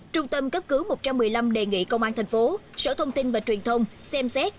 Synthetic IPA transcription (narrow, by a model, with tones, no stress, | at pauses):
t͡ɕʊ˧ŋ͡mt̪ə˧mkə˦˥p̚kɨ˨˦wmo˨˩t̚t͡ɕa˧mː˨˩əjla˧mɗe˨˩ŋḭ˧˨kə˧wŋ͡mʔaː˧nt̪ʰɛ˨˩ŋ̟fo˨˦sə̰ː˧˥t̪ʰə˧wŋ͡mt̪i˧nvaː˨˩t͡ɕwi˨˩ənt̪ʰə˧wŋ͡msɛ˧msɛ˦˥t̚